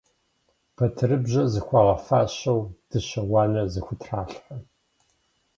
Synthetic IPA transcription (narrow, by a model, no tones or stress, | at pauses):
pʰɐtʰɨrɨbʑɐzɨxʷɑːʁɐfaːɕɐwd̥ɨɕɐwɑːnɐzɨxʷʊtʰraːɬħɐ